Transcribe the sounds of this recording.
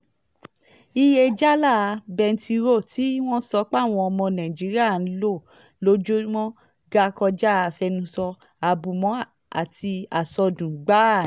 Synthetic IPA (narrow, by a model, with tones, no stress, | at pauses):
i˧je˧d͡ʒa˦la˦˨˧bɛ˧n̩˦ti˧ɾo˦˨tʰi˨˦w̃ɔ̃˦sɔ˧˦k͡pa˦˨w̃ɔ̃˧ɔ˧mɔ̃˧nã˨i˨d͡ʒi˨˦ɾi˦a˦˨n̩˨˦lo˦˨ | lo˨˦d͡ʒo˦wɔ̃˦ | ɡa˦kɔ˧d͡ʒa˦˨fɛ˧nũ˧˦sɔ˧ | a˨bu˨mɔ̃˨˦ | a̰˨tʰi˧a˨sɔ˧dũ˨ɡ͡ba˨˦˨